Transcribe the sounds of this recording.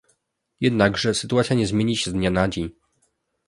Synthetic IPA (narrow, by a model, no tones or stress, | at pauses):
jɛd̪naɡʐɛsɘ̥t̪uat̪sʲjaɲɛzmʲeɲiɕɛzd̪ɲanad͡ʑeɲ